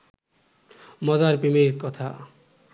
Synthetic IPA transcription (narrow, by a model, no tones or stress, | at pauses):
mɔzaɾpimiɾkɔt̪ʰa̰